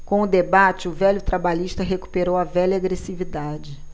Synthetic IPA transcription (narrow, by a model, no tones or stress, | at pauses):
kõʊd̪ebat͡ʃɪʊvɛʎʊt̪ɾabaʎiʃt̪ɐɦeku̥peɾowɐvɛʎɐaɡɾesivid̪ad͡ʒɪ